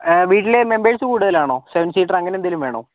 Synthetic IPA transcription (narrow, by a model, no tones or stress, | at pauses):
ʋiːʈːilemembeːɻsɨkuːɽuðɐlaːɳoːseʋɐnɖsiːʈːɐrɐŋːɐnend̪ilumʋe̞ːɳoː